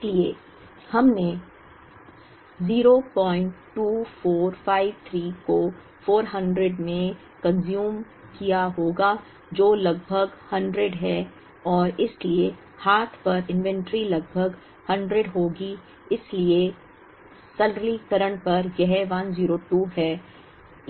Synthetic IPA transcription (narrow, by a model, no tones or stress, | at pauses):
ɪslie | hɐmne | ziːɾopɔ̃ːɪ̃ɳʈːuːfoːɾfaːɪʋt̪ʰɾiːko | foːɾɦɐ̃ɳɖɾeɖmẽ | kɐ̃nzjuːm | kijaɦoːɡa | d͡ʒoːlɐɡ̚bʱəɡhɐ̃ɳɖɾeɖɦɛː | ɔːɾɪslie | haːt̪ʰpɐɾɪ̃nʋɛ̃ɳʈɾilɐɡ̚bʱəɡ | hɐ̃ɳɖɾeɖɦoːɡi | ɪslie | sɐllikɐɾəɽ̃pɐɾjɛɦɛʋanziːɾoʈuːɦɛː